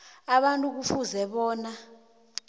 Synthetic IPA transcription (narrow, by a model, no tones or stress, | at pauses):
aɓantʼuk̬ufuzɛɓɔːna